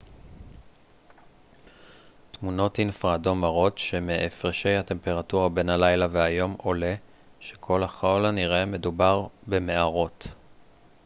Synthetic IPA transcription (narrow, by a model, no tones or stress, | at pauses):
tmuno̞tinfʁado̞maʁo̞tʃe̞meʔefʁeʃe̞jhate̞mpe̞ʁatuʁabe̞nhalajlaveɦajo̞mo̞le̞ | ʃe̞̥kʰo̞laχolaniʁeme̞dubaʁbe̞me̞aʁo̞t